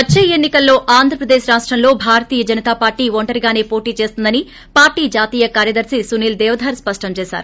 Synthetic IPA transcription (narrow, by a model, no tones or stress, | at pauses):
ɐt͡ʃːeːenːikɐlːo̞ːʔaːnd̪ʱɾɐpɾɐd̪eːʃɾaːʂʈɾɐmlo̞ːbʱaːɾɐt̪iːjɐd͡ʒɐnit̪aːpaːɾʈiːʋoɳʈɐɾiɡaːne̞ːpo̞ːʈiːt͡ʃe̞ːst̪und̪ɐni | paːɾʈiːd͡ʒaːt̪iːjɐkaːɾjɐd̪ɐɾsisuniːld̪ɛːʋɐd̪ʱɐːɾspɐʂʈɐmt͡ʃeːsa̰ːɾu